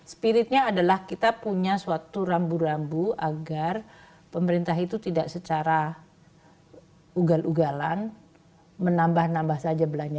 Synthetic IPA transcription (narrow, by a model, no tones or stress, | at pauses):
sə̥piɾɪt̪̚ɲaːdalahkit̪apuɲasuat̪uɾambuɾambuaɡar | pəməɾint̪aɦit̪ut̪idaʔsət͡ʃaɾa | uɡalʔuɡalan | mənambahnambahsad͡ʒabəlaɲa